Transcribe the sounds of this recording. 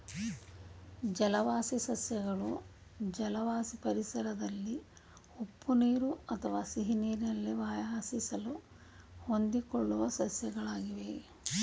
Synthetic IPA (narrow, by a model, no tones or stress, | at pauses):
d͡ʒɐlɐʋaːsisɐsjɐɡɐɭu | d͡ʒɐlɐʋaːsipɐɾisɐɾɐd̪ɐlːi | upːuneːɾuɐt̪ʰɐʋaːsiɦineːɾinɐlːeʋaːjasisɐlu | hond̪ikoɭːuʋɐsɐsjɐɡɐɭaːɡiʋe̞